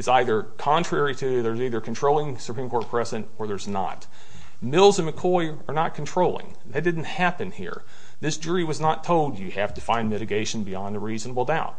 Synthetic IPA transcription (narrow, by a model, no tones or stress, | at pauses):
ɨtsaɪðə˞kʰɑ̃ntʰɹ̥ɛɹiɾɨðə˞ziðə˞kʰntʰɹ̥oʊlˠɪ̃ŋsupʰɹ̥ĩmkʰɔɹt̚pʰɹ̥ɛzɨɨ̃ntə˞ðə˞znə̰t̚ | mɪlˠzɨ̃nɨkʰɔɪ | ə˞nət̚kʰn̩tʰɹ̥oʊlˠɪ̰̃ŋ | ðɨt̚d̥ɪdⁿn̩thæpɨ̃nhḭɹ | ðɪsd̥ʒ̥ʊɹiwʌznətʰoʊlˠdɨhæftɨfãɪ̃nmɪɾɨɡeɪʃn̩biɑ̃nəɹiznəbl̩ˠdaʊt̚